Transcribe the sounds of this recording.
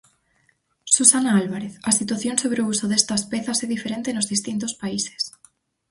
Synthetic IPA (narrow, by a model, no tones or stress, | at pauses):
susanaalβaɾeθasit̪waθjonsoβɾeousoðest̪aspeθasɛðifeɾẽnt̪enozðist̪int̪ospaise̥s